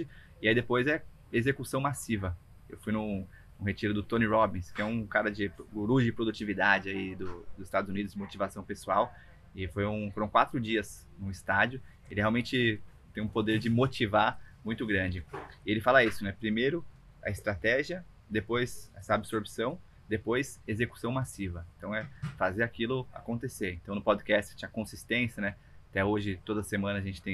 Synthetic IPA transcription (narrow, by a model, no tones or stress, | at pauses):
ɪ | ɪaid̪epojzɛ | ezekusɐ̃w̃masivɐ | ewfujnʊ | ũhet͡ʃiɾʊd̪ʊt̪õniɾɔbĩskɪɛũkaɾɐd͡ʒɪɡoɾud͡ʒʊd͡ʒɪpɾod̪ut͡ʃivid̪ad͡ʒɪaid̪ʊd̪ʊzɪst̪ad̪ʊzunid̪ʊzd͡ʒɪmot͡ʃivasɐ̃w̃pesuaw | ɪfojũfoɾɐ̃w̃kwat̪ɾʊd͡ʒiɐs | nʊ̃ɪst̪ad͡ʒjʊ | elɪheawmẽt͡ʃɪt̪ẽj̃ũpod̪eɾd͡ʒɪmot͡ʃivamũj̃t̪ʊɡɾɐ̃d͡ʒɪɪelɪfalɐisʊnɛpɾimejɾʊ | ɐ̰ɪst̪ɾat̪ɛʒiɐ | d̪epojzɛsɐabɪsoɾpsɐ̃w̃ | d̪epojsezeku̥sɐ̃w̃masivɐẽt̪ɐ̃w̃ɛfazeɾakilʊa̰kõnt̪eseẽnt̪ɐ̃w̃nʊpɔd̪kɛst͡ʃɪ̥tt͡ʃĩɐkõsist̪ẽsjɐnɛ | at̪ɛoʒɪt̪od̪ɐsemɐ̃nɐɐʒẽnt͡ʃɪ̥t̪ẽj̃